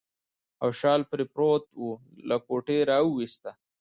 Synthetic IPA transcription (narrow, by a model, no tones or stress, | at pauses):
awʃɑːlpɾepɾot̪wu | lakoʈeɾɑwuwist̪a